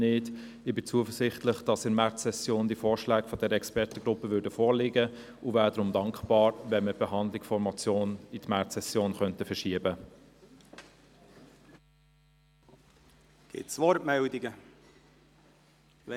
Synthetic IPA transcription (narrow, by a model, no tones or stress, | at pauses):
nɪd | ɪbɪt͡suəfəsɪχtləχd̥ɑsɪmæɾtsɛsjoːnd̥iəfoːɹʃlæːɡfɔdɛɾəɛkspɛɾtəɡɾʊpːəʋʏːdəfoːɾlɪɡə | ʔʊvæːdɾʊmdɑŋkχbɑːɾvɛnməb̥ɛɦɑnd̪lɪksfɔɾmɑt͡sjoːnitmæɾtsɛsjoːnχœntəfɛʃiəbə | ɡ̥ɪ̰t̪sʋɔɾtmɛld̪iɡə | ɛ